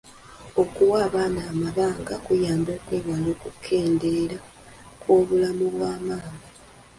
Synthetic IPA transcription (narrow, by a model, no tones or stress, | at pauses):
o̞kuwaːβaːnaːmaβaːŋɡakujaːmbo̞ːkweːβwaloːkukʰːe̞ːnde̞ɾa | kwo̞ːβulamuβwaːmaːŋɡa